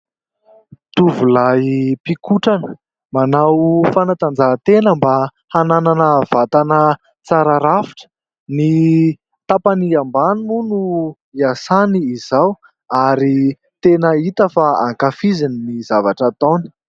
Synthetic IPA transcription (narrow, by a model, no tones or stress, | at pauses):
t̪uvulajpikuʈ͡ʂanə̥ | manawfanat̪and͡zaɦt̪enəmba | hanananəv̥at̪anə | t͡saɾaɾafi̥ʈ͡ʂə̥ | ni | t̪apaniambanumunu | iasaniːzaw | aɾi | t̪enəit̪əfaa̰ŋkafizininizavaʈ͡ʂat̪oni̥